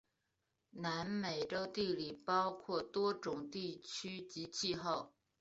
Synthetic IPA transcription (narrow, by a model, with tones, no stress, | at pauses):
na˧˥nme˨˩ɪʈ͡ʂo˥ʊt̪i˥˩li˨˩pɑ˥ʊkʰwɔ˥˩t̪wɔ˥ʈ͡ʂʊ˨˩ŋt̪i˥˩t͡ɕʰy˥t͡ɕi˧˥t͡ɕʰi˥˧xo˥˩ʊ